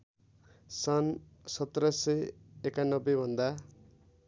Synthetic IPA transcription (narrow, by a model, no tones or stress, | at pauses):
sʌn | sʌt̪ːɾʌsʌekanʌbːebʱʌnd̪a